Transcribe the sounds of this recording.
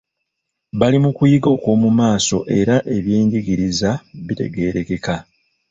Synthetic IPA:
βalimukujiɡo̞ːko̞ːmumaːso̞̰ʔe̞ɾaʔe̞βjeːɲɟiɡiɾizaβite̞̰ɡe̞ːɾe̞ke̞ka

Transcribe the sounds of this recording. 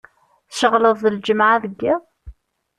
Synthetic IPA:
θʃəʁləðˤːəld͡ʒəmʕaðəɡːæ

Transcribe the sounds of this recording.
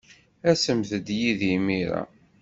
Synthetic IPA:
æsəmθəd̪jiðimiɾa̰

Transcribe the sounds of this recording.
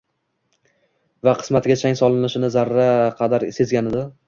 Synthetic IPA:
vaqʰɨ̥smat̪ɡʲat͡ʃʰaŋʲsɒlˠɪnɪʃɪnɪzaɾːaqʰɑd̪aɾse̞zɡʲanɪd̪ɪ

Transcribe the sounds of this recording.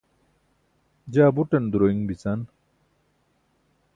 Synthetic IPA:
d͡ʑaːbuʈɐnd̪ɾoːiŋbit͡saːn

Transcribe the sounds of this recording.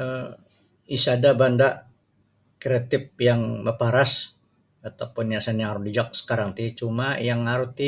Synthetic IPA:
ə | isadabandaʔ | kɾat̪ɪp̚jaŋbəpaɾas | at̪awpʊnjasanjaŋaɾudid͡ʒɔk̚sə̥kaɾaŋt̪it͡ʃumajaŋaɾut̪i

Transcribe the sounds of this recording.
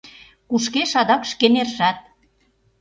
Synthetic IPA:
kuʃkeʃɑd̪ɑkʃkenerʒæt̪̚

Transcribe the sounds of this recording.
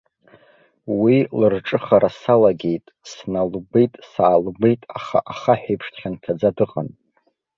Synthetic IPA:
wilɨrʈ͡ʂʼɨχaɾasalaɡʲe̞jtʼsnalbe̞jtʼsaːlɡe̞jtʼaχa̰ʔaχaħᶣejpʰʂtʰχʲantʰad͡zadɨʁʼan

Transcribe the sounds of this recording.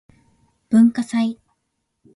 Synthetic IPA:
b̥ɯ̟̃ŋkasai

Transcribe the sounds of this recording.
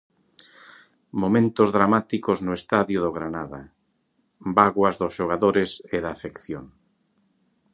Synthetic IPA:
momẽnt̪ozðɾamat̪ikoznʊest̪aðjʊðoɣɾanaða̰ | baɣwɐzðʊsʃoɣ̞aðoɾeseðaːfekθjoŋ

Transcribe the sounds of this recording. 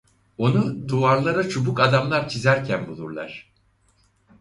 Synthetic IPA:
o̞nud̪uaɾlˠaɾat͡ʃʰubukad̪amlˠaɾt͡ʃʰizæɾcʰænbulˠuɾlˠa̰ɾ̥

